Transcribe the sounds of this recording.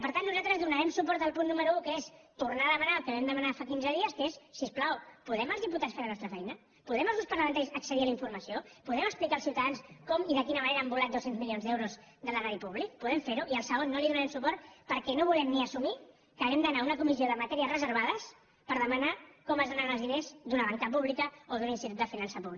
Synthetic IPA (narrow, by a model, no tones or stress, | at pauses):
pəɾt̪anːuzat̪ɾəzðunəɾɛmsupɔɾt̪əlˠpunːuməɾuukəest̪uɾnaəðəmənaəlˠkəβɛmd̪əmənafakinzəðiəskəesːisplawpuðɛməlˠzðiput̪atsfeɾðənɔst̪ɾəfɛjnə | puðɛməlˠzuspəɾləmənt̪asəksəðiələiɱfuɾməsiopuðɛməksplikalsiwt̪əðanskɔmiðəkinəməneɾəəmbulat̪̚d̪osenzmilionzðɛwɾuz | d̪ələraðipuβlik̚puðɛmfeɾuʔiəlˠsəɣ̞onːoliðunaɾɛmsupɔɾt̪pəɾkɛnoβulɛmniəsumi | kəɣɛmd̪ənaunəkumizioðəmat̪ɛɾiəzrəzəɾβ̞aðəs | pəɾðəmənakɔməzðananəlˠzðinezd̪unəβant̪ap̬uβlikəoðuninst̪it̪ut̪əfinansəpuβli